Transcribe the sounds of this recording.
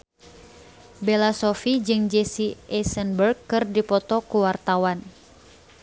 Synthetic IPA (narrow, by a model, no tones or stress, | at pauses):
belasɔfid͡ʒɨŋd͡ʒɛsiʔɛsənbərɡɨrdipɔt̪ɔkuwart̪awan